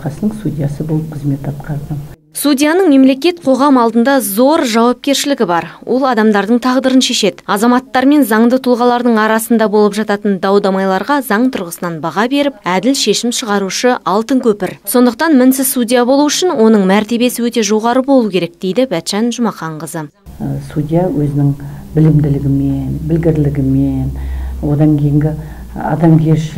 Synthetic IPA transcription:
qɑsənəɴsudʲijasəbo̞lˠəp̚qʰəzme̞t̪ɑt̪qɑɾd̪ə | sudʲijanəɴme̞mle̞kʲe̞t̪̚qʰo̞ʁɑmɑlˠd̪ənd̪ɑzo̞ɾʒɑwɑp̚kʲe̞ɾʃɪlɪɡʲɪbɑɾwʔo̞̰lˠɑd̪ɑmd̪ɑɾd̪əɴt̪ʰɑʁd̪əɾənʃe̞ʃe̞d̪ɪɑzɑmɑt̪ːɑɾme̞nzɑɴd̪ət̪ʰʊlˠʁɑlˠɑɾd̪əɴɑɾɑsənd̪ɑbo̞lˠəpʒɑt̪ɑt̪ənd̪ɑwd̪ɑmɑjlˠɑɾʁɑzɑɴt̪ʰʊɾʁəsənɑnbɑʁɑbe̞ɾɪp̚æd̪ɪlʃe̞ʃɪmʃəʁɑɾuʃəɑlˠt̪əŋkʲʰɵpɪɾso̞nd̪əq̚t̪ɑnmɪnsɪzsud̪ʲijabo̞lˠuʏʃɪnwo̞nəɴmæɾt̪e̞be̞sɪwɵt̪e̞ʒo̞ʁɑɾəbo̞lˠukʲeɾe̞k̚d̪̥e̞jd̪ɪbæt̪ʃænʒʊmɑqɑɴqəzə | sud̪ʲijawɵzɪnɪŋbɪlɪmd̪ɪlɪɡʲɪmenbɪlɡʲɪɾlɪɡʲɪmenwo̞d̪ɑŋkʲʰe̞jɪŋɡʲɪ | ɑ̰d̪ɑmkʲʰeɾʃ

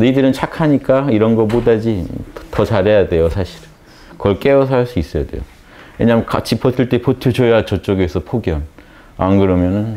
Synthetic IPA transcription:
neidɯɾɯnt͡ɕʰakʰaɲik͈aiɾʌnɡʌmodad͡ʑi̥tʌt͡ɕaɾejade̞josʰaɕʰi̥ɾɯ | kʌɭk͈e̞osʰaɭs͈uis͈ʌjade̞̰jo̰ | we̞ɲamjka̰t͡ɕʰipʰʌtʰɯɭt͈epʰʌtʰɯt͡ɕojat͡ɕʌt͡ɕ͈oɡesʰʌpʰoɡjʌn | anɡɯɾʌmjʌnɯn

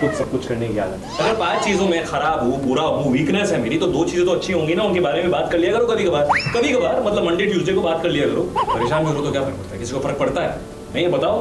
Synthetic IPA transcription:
kʊt͡ʃsɐb̚kʊt͡ʃʰkɐɾnekia̰ːzɐ̰t̪ʰːɐɡəɾpãːt͡ʃt͡ʃiːzõmẽxɐɾaːbɦupuːɾaɐbuʋiːknɛsɦɛmeːɾit̪od̪oːt͡ʃiːzẽt̪oɐtːʃʰiɦõːŋɡinaʊnkebaːɾemẽbaːt̪kɐɾlijakɐɾokɐbʱikɐbaːɾkɐbʱikɐbaːɾmɐt̪ləbmɐ̃ɳɖeːʈjuːzɾekobaːt̪̚kɐɾlijakɐɾoːpɐɾeːʃaːnbiɐɾot̪okjaːfɐɾək̚pɐɽt̪aɛkɪsikofɐɾək̚pɐɽt̪aɦɛ̰ː | nɐɦĩɐbɐt̪aːo

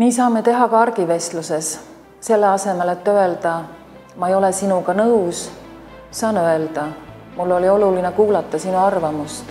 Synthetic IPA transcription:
niːsɑːme̞t̪e̞ɦɑkɑɑrɡ̥ive̞st̪luse̞s | se̞lːeɑse̞me̞let̪ːø̞e̞ld̪̥ɑ | mɑejo̞lesinuɡɑnɤws | sɑːnø̞e̞ld̪̥ɑ | mulːo̞lio̞lulinekuːlɑt̪ˑːɑsinuɑrvɑmust̪

